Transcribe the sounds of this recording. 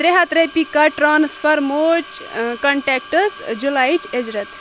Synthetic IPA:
t̪ɾeɦat̪ɾepikɐʈɾanspʰəɾmot͡ʃkɐɳʈek̚ʈəsd͡ʒulaːit͡ʃed͡ʒɾɐt̪ʰ

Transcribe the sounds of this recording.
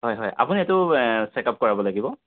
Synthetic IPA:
ɦɔjɦɔja̰puniɛtʊsɛkap̚kɔɹabɔlaɡibɔ

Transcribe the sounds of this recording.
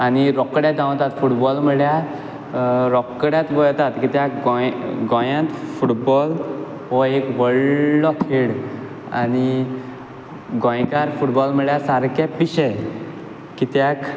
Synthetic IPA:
aniɾɔkːɽjad͡zãw̃t̪at̪fuʈbɔlməɭja | ɾɔkːɽjãt̪ɡɔɭt̪at̪kit̪jakɡɔjɡɔ̃jãt̪fuʈbɔl | ɦɔekʋəɭːɔt̪ʰeɽ | a̰ni | ɡɔ̃jkaɾfuʈbɔlməɭjasaɾkapiɕɛ | kit̪jak

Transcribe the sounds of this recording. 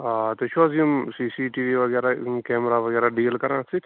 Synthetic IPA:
at̪et͡ʃʰazimsisiʈiːʋiʋɐɡɛːɾakɛːmɾaʋɐɡɛːɾaɖiːlkɐɾãːt͡sʰik̪ʰ

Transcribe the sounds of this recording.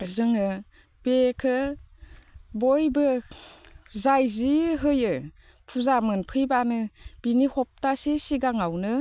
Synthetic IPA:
zɯŋɯ | b̥ekʰɯ | bɔjbɯ | zajziɦɯjɯ | pʰuzamɯnpʰɯjbanɯb̥inihɔp̚tasesiɡaŋawnɯ

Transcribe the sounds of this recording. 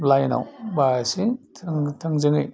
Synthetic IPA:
lajna̰wbasitʰŋtʰɐŋzɯŋɯj

